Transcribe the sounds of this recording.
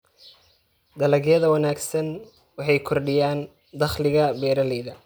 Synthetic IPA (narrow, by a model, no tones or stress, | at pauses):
d̪ɐlɐɣjɐðɐwɐnaːɡsɐn | wɑħɑjkʰɔrɖɪjaːn | d̪ɐχlɪɣɐbɛːɾɐlɛːðɐ